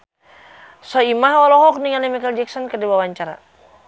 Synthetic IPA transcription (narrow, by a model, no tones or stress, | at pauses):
sɔimaɦɔlɔɦɔk̚niŋanɛmikald͡ʒɛk̚sɔnkədiwawaɲt͡ʃaɾa̰